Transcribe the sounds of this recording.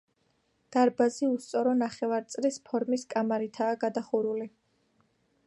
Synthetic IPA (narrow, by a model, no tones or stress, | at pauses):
d̪̥aɾbaziust̪sʼɔɾɔnaχɛvaɾt̪sʼlispʰɔɾmiskʼamaɾit̪ʰaːɡad̪aχuɾuli